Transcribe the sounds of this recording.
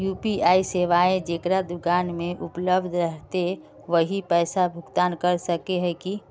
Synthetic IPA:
juːpiaːiseːʋaːẽd͡ʒekɾad̪ʊkaːnmẽʔʊpləbd̪ʱɾəɦt̪e | ʋəɦipɛːsabʱʊkt̪aːnkəɾsəkeɦɛki

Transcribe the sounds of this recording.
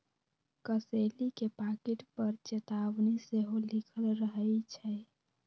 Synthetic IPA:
kəselikepaːkeʈpəɾt͡ʃet̪aʋniseɦolikʰəlɾəɦəit͡ʃʰɛ

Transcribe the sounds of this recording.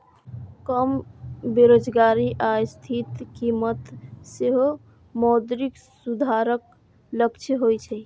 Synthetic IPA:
kəmbeɾod͡ʒɡaɾiʔajst̪ʰit̪kimət̪seɦo | mɔd̪ɾik | sud̪ʱaɾək | ləkt͡ʃʰəɦojt͡ʃʰɛ

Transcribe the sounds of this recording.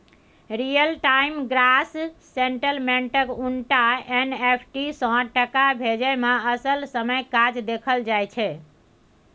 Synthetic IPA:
ɾijəlʈaimɡɾasː | eɳʈəlmeɳʈəkuɳʈaenepʰʈisɔ̃ʈəkabʱed͡ʒəjmaəsəlsəməjkad͡ʒd̪ekʰəld͡ʒajt͡ʃʰɛ

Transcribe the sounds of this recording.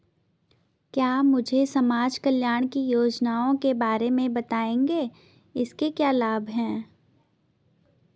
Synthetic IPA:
kjaːmʊd͡ʒʱesɐmaːd͡ʒkəljaːɽ̃kijoːd͡ʒnaːõkebaːɾemẽbɐt̪aːẽːŋɡeː | ɪskekjaːlaːbʱɦɛ̃ː

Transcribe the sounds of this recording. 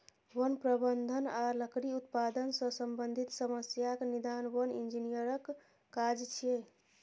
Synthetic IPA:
wənpɾəbənd̪ʱənaləkɾiut̪̚pad̪ənsə̃səmbənd̪ʱit̪səməsjaknid̪anwənḭnd͡ʒinijəɾəkː | ad͡ʒt͡ʃʰie

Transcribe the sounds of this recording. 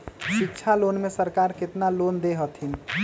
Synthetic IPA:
ʃikt͡ʃʰalonmesəɾkaːɾkɪt̪nalond̪eɦət̪ʰin

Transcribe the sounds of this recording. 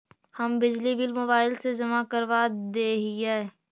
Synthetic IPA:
hɐmbɪd͡ʒlibɪlmoːbaːɪlsezɐmakɐɾʋad̪eːɦɛ

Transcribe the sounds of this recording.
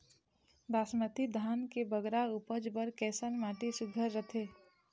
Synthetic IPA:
d̪aːsmət̪id̪ʱaːnkebəɡɾaupəd͡ʒbəɾkɛːsənmaːʈisʊɡʱəɾːət̪ʰeː

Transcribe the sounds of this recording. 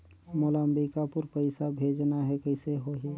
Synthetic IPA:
moləmbikapʊɾpəɪsabʱeːd͡ʒnaɦɛkəɪseɦoɦi

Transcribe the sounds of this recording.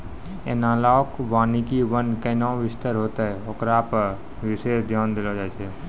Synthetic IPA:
enaːlaːkʋaːnikiʋənkənãːʋɪst̪əɾɦoːt̪aɦɛoːkɾaːp | ʋɪʃeːsd̪ʱjaːnd̪ɪlod͡ʒaːt͡ʃe

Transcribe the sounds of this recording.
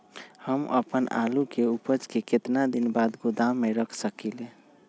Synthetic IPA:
həmə̰pəna̰lukeupəd͡ʒkeket̪nad̪inbad̪ɡod̪amːeɾəkʰsəkile

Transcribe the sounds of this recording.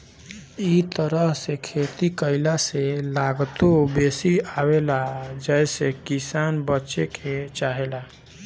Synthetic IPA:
it̪əɾəɦsekʰet̪ikəɪlaselaɡt̪obesiawelad͡ʒəɪsekisaːnbətːt͡ʃekʰet͡ʃaɦela

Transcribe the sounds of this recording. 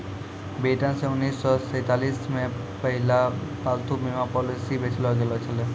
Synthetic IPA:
beʈãsẽunːisːɔsəjt̪alismẽ | pəɦilapalt̪umemapɔlisibesʰlɔɡelɔt͡ʃʰʌle

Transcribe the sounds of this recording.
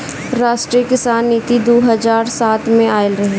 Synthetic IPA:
ɾaːʃʈɾijəkɪsaːnːiːt̪id̪oːɦɐzaːɾsaːt̪ʰmẽaːɪlɾɐɦe

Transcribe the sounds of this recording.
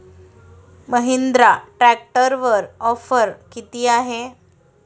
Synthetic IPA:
məɦind̪ɾaʈɾæk̚ʈəɾʋəɾɔfəɾkit̪iːaɦe

